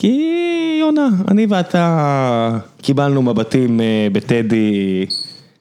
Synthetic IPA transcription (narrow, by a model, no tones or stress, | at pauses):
kionaa̰niveat̪a | kibalnumabatimebet̪edi